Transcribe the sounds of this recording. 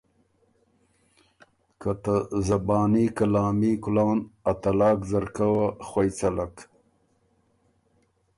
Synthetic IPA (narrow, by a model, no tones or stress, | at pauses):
kat̪azabɑːnikalɑːmikʊlɑːnat̪alɑːkzaɾkawaχwajt͡salak